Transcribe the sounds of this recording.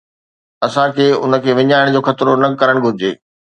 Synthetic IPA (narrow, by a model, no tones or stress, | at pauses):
ɐsãkʰeːʊnə̆kʰeːʋɪɲaːɪɽ̃d͡ʑoːxɐt̪ɾonɐkɐɾəɽ̃ɡʱʊɾɪd͡ʑḛː